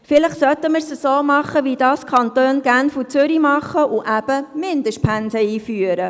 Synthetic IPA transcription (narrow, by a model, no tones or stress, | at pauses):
fɪləχsœtːəməɾsəsoːmɑχəʋidɑːskʰɑnt̪øːnɡ̥ænfut͡sʏɾimɑχəʔuʔæb̥əmɪnd̪əʃt̚pʰænsəiːfyəɾə